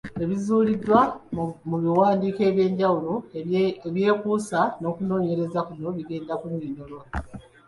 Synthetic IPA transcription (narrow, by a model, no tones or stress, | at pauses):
eβizuːlidːwamuβiwaːndiːke̞ːβje̞ːɲɟawuloeβje̞ːkuːsano̞ːkuno̞ːɲe̞ɾe̞zakuno̞βiɡe̞ːndakuɲeːɲolola